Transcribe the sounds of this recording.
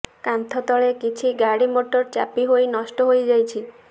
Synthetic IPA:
kant̪ʰɔt̪ɔɭekit͡ʃʰiɡaɽimoʈɔɾt͡ʃa̰piɦojnɔsʈɔɦojd͡ʒajt͡ʃʰi

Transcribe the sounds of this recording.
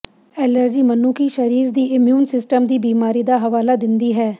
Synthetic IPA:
ɛːləɾd͡ʒiːmənuːkiːʃəɾiːɾd̪iːʔɪmjuːnsɪsʈəmd̪iːbiːmaːɾiːd̪aːɦəʋaːlaːd̪ɪnd̪iːɦɛː

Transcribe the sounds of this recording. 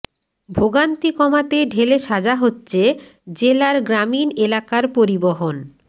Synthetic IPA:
bʱoɡant̪ikɔmat̪eɖʱeleʃad͡ʑaɦotːɕʰe | d͡ʑelaɾɡɾaminelakaɾpoɾiboɦon

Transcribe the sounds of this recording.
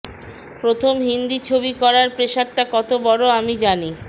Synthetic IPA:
pɾot̪ʰomɦind̪it͡ɕʰobikɔɾaɾpɾeʃaʈʈakɔt̪obɔɽoamid͡ʑani

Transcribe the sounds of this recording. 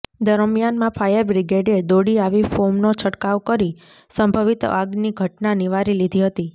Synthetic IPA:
d̪əɾmjanmãpʰajəɾbɾiɡeɖed̪oɽiaʋifomnot͡ʃʰəʈkaʋkəɾi | səmbʱəʋit̪aɡniɡʱəʈnaniʋaɾilid̪ʱiɦət̪i

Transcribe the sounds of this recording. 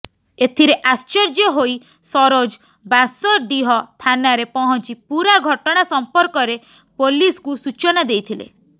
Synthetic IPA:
et̪ʰiɾeʔast͡ʃɔɾd͡ʒɔɦoi | sɔɾod͡ʒ | basɔɖiɦɔt̪ʰanaɾepɔɦɔnt͡ʃipuɾaɡʱɔʈɔɽ̃asɔmpɔɾkɔɾe | poliskusut͡ʃɔnad̪ejt̪ʰilḛ

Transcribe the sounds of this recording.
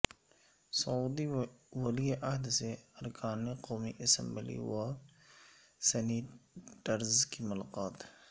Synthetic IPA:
sɐuːd̪iwɐlieʔɐɦd̪seɐɾkʰaːneqoːmiʔɐsə̃mbəlḭwa | sɛniːʈəɾzkimʊlaqaːt̪

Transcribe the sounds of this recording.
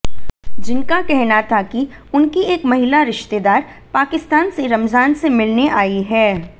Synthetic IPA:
d͡ʒɪnkakɛɦnat̪ʰakiʊnkieːkmɐɦɪlaɾɪʃt̪ed̪aːɾpaːkɪst̪aːnseɾɐmzaːnsemɪlneʔaːiɦɛː

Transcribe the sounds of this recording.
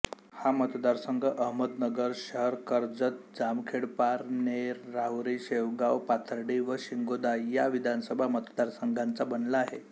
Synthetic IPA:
hamət̪d̪aɾsəŋɡʱəʔəɦməd̪nəɡəɾɕəɦəɾkəɾd͡zət̪̚d͡zamkʰeɽpaɾneɾːaɦɾiɕeʋɡawpat̪ʰəɾɖiʋəɕiŋɡod̪ajaʋid̪ʱansəbʱamət̪d̪aɾsəŋɡʱant͡sabənlaːɦe

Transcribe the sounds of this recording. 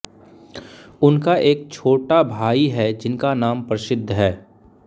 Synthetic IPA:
ʊnkaʔeːk̚t͡ʃʰoːʈabʱaːiɦɛd͡ʒɪnkanaːmpɾɐsɪd̪ʱːɦɛː

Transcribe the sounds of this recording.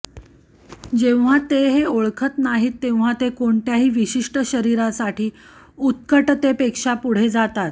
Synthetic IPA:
d͡ʑew̃ʋ̤at̪eɦeoɭkʰət̪naɦiːt̪ːeʋ̤̃at̪ekoɳtjaɦiːʋiɕiʂʈəɕəɾiɾasaʈiː | ut̪̚kəʈt̪epekʂapuɽ̤ed͡zat̪at̪

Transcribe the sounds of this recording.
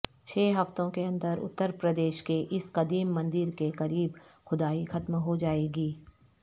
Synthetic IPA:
t͡ʃʰɛːɦɐft̪õkeɐ̃nd̪əɾʊ̰t̪ːəɾpɾɐd̪eːʃkeʔɪsqɐd̪iːmːɐ̃nd̪ɪɾkeqɐɾiːbxʊd̪aːixɐt̪mɦod͡ʒaːeːɡiː

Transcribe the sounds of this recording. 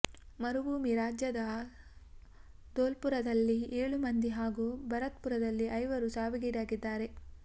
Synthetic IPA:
mɐɾuʋuːmiɾaːd͡ʒjɐd̪ɐ | d̪oːlpuɾɐd̪ɐlːieːɭumɐnd̪iɦaːɡuːbɐɾɐt̪puɾɐd̪ɐlːiʔɐjʋɐɾusaːʋiɡiːd̪aːɡid̪ːaːɾe̞

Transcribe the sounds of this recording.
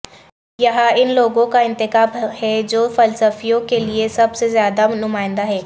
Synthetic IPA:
jɐɦaɪnloːɡõkaɪ̃nt̪ɪxaːbhɛːd͡ʑoːfɐlsəfijõkeliesɐbsezjaːd̪anʊmaːɪ̃n̆d̪aɦɛː

